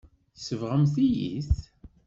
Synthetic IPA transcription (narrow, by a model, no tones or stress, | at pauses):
θsəvʁəmθijḭθ